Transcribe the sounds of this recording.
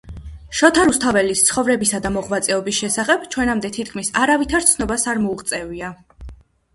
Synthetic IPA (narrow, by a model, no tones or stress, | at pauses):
ʃɔt̪ʰaɾust̪ʰavɛlist̪sʰχɔvɾɛbisad̪amɔʁvat̪sʼɛɔbisʃɛsaχɛb̥t͡ʃʰwɛnamd̪ɛt̪ʰit̪̚ʰkʰmisaɾavit̪ʰaɾt̪sʰnɔbasaɾmɔuʁt̪sʼɛvia